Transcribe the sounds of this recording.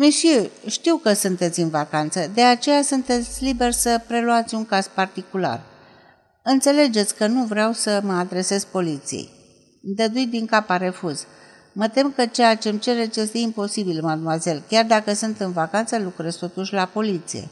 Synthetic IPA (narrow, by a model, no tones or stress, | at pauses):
muʃiʃt̪iwkəsunt̪e̞t̪sʲɨnvakant̪səd̪e̞at͡ʃe̞jasunt̪e̞t̪sʲlibe̞rʲsəpɾe̞luat̪sʲuŋkaz̥part̪ikula̰r | ɨnt̪se̞le̞d͡ʒe̞t̪sʲkənuvɾeawsəməad̪ɾe̞se̞zpo̞lit̪sijḛj | md̪əd̪ujd̪iŋkapaɾe̞fuz | mət̪e̞mkət͡ʃe̞jat͡ʃe̞mt͡ʃe̞ɾet͡ʃje̞st̪e̞impo̞sibilmad̪̚muwaze̞lkʲard̪akəsunt̪ɨnvakant̪səlukɾezt̪o̞t̪uʃʲlapo̞lit̪sḭje̞̰